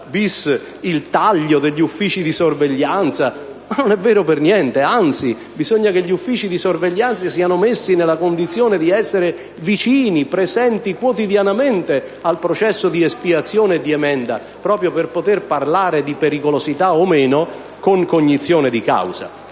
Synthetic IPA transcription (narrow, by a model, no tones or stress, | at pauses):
bisː | ilt̪aʎːod̪eʎːufːiːt͡ʃid̪isorveʎːant̪sa | nonɛvːɛːɾopernjɛnt̪eant̪si | bizoɲːakeʎːufːiːt͡ʃid̪isorveʎːant̪sasiːanomesːinelːakond̪it̪sːjoːned̪iɛsːeɾe | vit͡ʃiːnipɾezɛnt̪ikwot̪id̪janament̪e | alpɾot͡ʃɛsːod̪iespiat̪sːjoːneːd̪iɛmɛnd̪a | pɾɔːpɾjoperpot̪erparlaːɾed̪ipeɾikolozit̪aomeːno | koŋkoɲːit̪sːjoːned̪ika̰wz̥a̰